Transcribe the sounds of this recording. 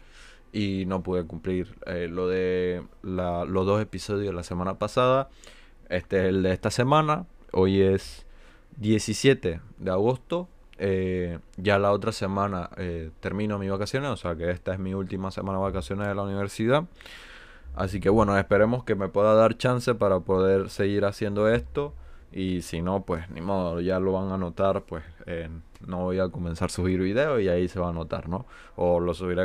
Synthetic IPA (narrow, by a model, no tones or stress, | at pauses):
ino̞puðekumpliɾelo̞ðe̞lalo̞zðo̞se̞piso̞ð̞joðelase̞mãnapasaða | e̞st̪eeseld̪eest̪ase̞mãna | o̞je̞s | d̪je̞sisje̞t̪e̞ðe̞aɣo̞st̪o̞ | eʝalao̞t̪ɾase̞mãnaet̪e̞ɾmĩno̞miβakasjo̞nesose̞ake̞e̞st̪ae̞zmiult̪imase̞mãnaβakasjo̞neðelauniβe̞ɾsiða | a̰sike̞βwe̞no̞e̞spe̞ɾe̞mo̞ske̞me̞pwe̞ðaðaɾt͡ʃanse̞paɾapo̞ðe̞ɾse̞ɣiɾasje̞nd̪o̞e̞st̪o̞ | isino̞pwe̞snḭmoðoʝalo̞βaŋano̞t̪aɾpwe̞se | no̞βo̞jako̞mensaɾsuβiɾβiðe̞oiaise̞βaːno̞t̪a̰ɾno̞ | olo̞suβiɾe